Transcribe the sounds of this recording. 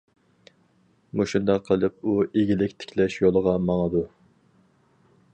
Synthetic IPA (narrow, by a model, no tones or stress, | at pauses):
muʃund̪ɛqqʰːəlˠɨp̚uʔeɡʲilɪkʲt̪ʰɪ̥kʲʰlɛʃjolˠəʁɑmɑŋəd̪u